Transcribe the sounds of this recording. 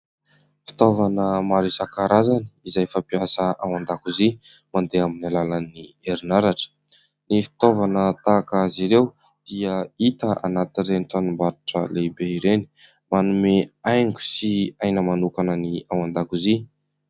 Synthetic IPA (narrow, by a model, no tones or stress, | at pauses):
fi̥t̪ovanəmaɾisakaɾazani̥izajfapiasəawand̪akuzimand̪eaminalalanieɾinaɾaʈ͡ʂə̥ | nifi̥t̪ovanət̪akəziɾew | d̪̥iəit̪əa̰nat̪ireniʈ͡ʂ̪anumbaɾuʈ͡ʂə̰lebeiɾeni̥ | manumeajŋɡu̥siajnəmanukanəniawand̪akuzi